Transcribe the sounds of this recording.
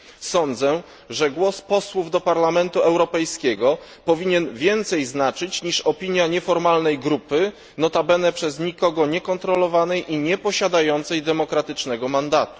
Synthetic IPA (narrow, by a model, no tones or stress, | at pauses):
sɔnd̪zɛ | ʐɛɡwɔspɔswuvd̪ɔpaɾlamɛnt̪uɛwɾɔpɛjskʲɛɡɔ | pɔvʲiɲɛnvʲjɛnt̪sɛjznat͡ʂɘt͡ɕɲiʂɔpʲiɲjaɲɛfɔɾmalnɛjɡɾupɘ | nɔt̪abɛnɛpʂɛzɲikɔɡɔɲɛkɔnt̪ɾɔlɔvanɛjʔiɲɛpɔɕad̪ajɔnt̪sɛjd̪ɛmɔkɾat̪ɘt͡ʂnɛɡɔmand̪at̪u̥